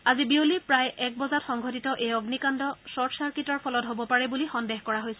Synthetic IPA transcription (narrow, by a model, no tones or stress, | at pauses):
azibiolipɹajɛk̚bɔzatxɔŋɡʱɔtitɔʔejɔɡnikandɔsɔɹsaɹkitɔɹpʰɔlɔtɦobɔpaɹɛbulixɔndeɦkɔɹaɦojsɛ